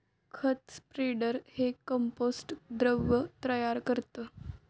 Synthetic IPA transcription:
kʰət̪spɾeɖəɾhekəmposʈd̪ɾəʋːət̪ɾəjaɾkəɾt̪ə

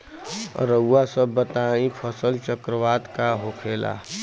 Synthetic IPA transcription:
ɾəɡwasəbːət̪aːĩpʰəsəlt͡ʃəkɾəʋaːd̪kaɦokʰeːla̰ː

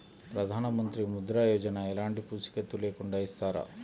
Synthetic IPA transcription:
pɾɐd̪ʱaːnɐmɐnt̪ɾimud̪ɾaːjoːd͡ʒɐnɐɛlaːɳɖipusi̥ket̪ulekɔɳɖaist̪aːɾɐ̰

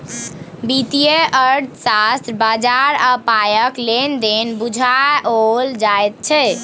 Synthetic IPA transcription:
bit̪ijeʔəɽsast̪ɾbad͡ʒaɾəpajəklend̪enbud͡ʒʱaold͡ʒaet̪̚t͡ʃʰɛ

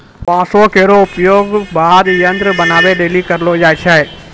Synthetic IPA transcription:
pãːsokeːɾoʊpjoːɡbaːd̪jə̃nt̪ɾəbənaːʋeɗeːlikəɾlod͡ʒaːet͡ʃʰaeː

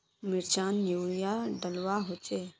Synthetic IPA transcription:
mɪɾt͡ʃaːnjuːlijaɖəlwaɦot͡ʃeː

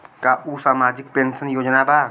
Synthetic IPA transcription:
kaʔusamad͡ʒik̚pensənjod͡ʒnaba

